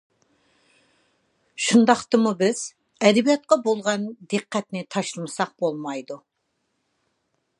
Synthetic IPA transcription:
ʃund̪ɑχt̪əmubɪz̥ | ɛd̪ɪbijɑt̪̚qɑbolˠʁɑnd̪eqːæt̪nɪt̪ʰɑʃlˠmɨsɑq̚bolˠmɑjd̪u

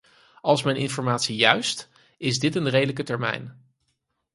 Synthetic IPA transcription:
ɑlˠsmɛjnʔɪnfɔɹmaːtsijœɥst | ɪzdɪtənrejdələkətɛɹmɛ̰jn

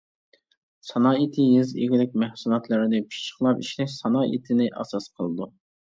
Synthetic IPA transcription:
sɑnɑːit̪ʰɪjiziɡʲɪlɪk̚ʲmæhsulˠɑt̪lˠɨɾɪnɨpʰi̥t͡ʃːə̥χlˠɑpiʃlɛʃsɑnɑːʔḭt̪ʰɪnɪʔɑ̰sɑsqʰəlˠɨd̪u

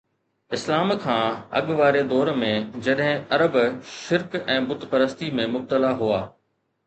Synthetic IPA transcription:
ɪslaːmkʰãːɐ̰ɠʋaːɾed̪ɔːɾmẽd͡ʑɐɗɦɪ̃ɐɾəbʃɪɾkɛ̃ːbʊt̪pɐɾəst̪imẽmʊb̚t̪əlaɦuaː

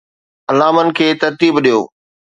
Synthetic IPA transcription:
ɐlaːmənɪ̆kʰeːt̪ɐɾt̪iːbɗijo̰ː

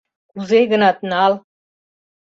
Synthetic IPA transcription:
kuzejɡə̆nɑt̪nɑl

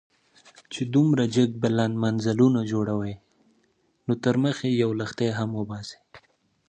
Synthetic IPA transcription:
t͡ʃed̪umɾad͡ʒəɡ̚balanmanzalunad͡ʒoɽawəj | not̪əɾməxejawləxt̪ajɦamwəbɑse̥

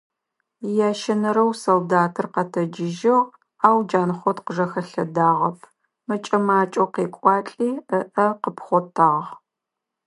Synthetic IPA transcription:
jaːʃɐnɐɾɐwsoldaːtʰɨrqɐtʰɐd͡ʒɪʒɪʁ | aːwd͡ʒaːnχʷɔtqəʒɐxɐɬɐdaːʁɐp̚ʰ | mɐt͡ʃʼɐmaːt͡ʃʼowqeːkʷʼɑːt͡ɬʼiːəʔɐqəpχʷɔtʰaːʁʁ

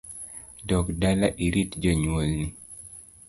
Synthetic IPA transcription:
dɔkdalaʔiɾitd͡ʒɔɲwolni

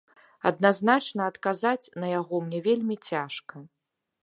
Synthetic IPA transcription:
ɐ̰d̪naznat͡ʂnɐɐt̪kazat͡sʲnɐjaɣɔmnʲɛvʲelʲmʲit͡sʲaʂkɐ

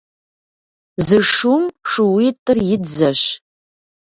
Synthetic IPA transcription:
zɨʂumʂɨwitʼːɨrjɪdzɐɕ

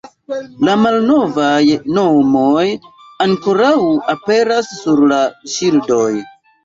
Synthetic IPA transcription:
lamalno̞vajno̞moj | aŋko̞ɾawape̞ɾasːuɾlaʃildo̞j

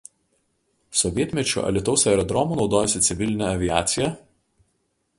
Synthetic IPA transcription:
sɔʋʲiɛt̪ʲmʲɛt͡ʃʲṵʔɐ̰lʲɪt̪ɒʊsʲɛɾɔd̪ɾɔmuːnɒʊd̪oːjɛsʲɪt̪sʲɪʋʲɪlʲɪnʲɛɐʋʲɪæːt̪sʲɪjɛ

